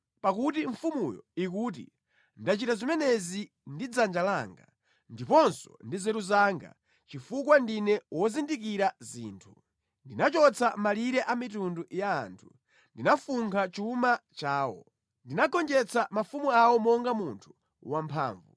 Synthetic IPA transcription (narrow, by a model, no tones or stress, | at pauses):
pakutiɱfumujɔ̰ik̬uːt̬ḭ | ndat͡ʃitazimɛnɛzi | ndid͡zand͡ʒalaːŋɡa̰ | ndipɔnsɔ̥̰ndizɛɾuzaŋɡa̰ | t͡ʃifuk̬wandinɛwɔzindikiɾazḭːntʰu | ndinat͡ʃɔt͡sʰamaliɾɛʔamitunduja̰ːntʰu̥ | ndinafuŋkʰat͡ʃumat͡ʃaːwɔ̰ | ndinaɡɔnd͡ʒɛt͡sʰamafumuawɔmɔŋɡamuntʰu̥ | wampʰa̰ːɱvu